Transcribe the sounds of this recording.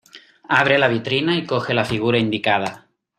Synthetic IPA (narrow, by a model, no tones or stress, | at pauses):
aβ̞ɾelaβ̞it̪ɾinaikoxelafiɣ̞uɾaind̪ikað̞a